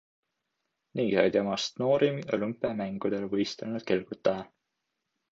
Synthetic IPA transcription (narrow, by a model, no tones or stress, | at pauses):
niːɑ̰jd̪emɑst̪no̞ːɾimo̰lympːˑɑmæŋɡ̥ud̪elvɤjst̪elnud̪̥̚ke̞lɡ̥ut̪ˑːɑjɑ